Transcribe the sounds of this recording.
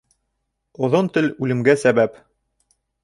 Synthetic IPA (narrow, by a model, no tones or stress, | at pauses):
ŏðont̪ɘlʉlɘ̆mɡæsæβæp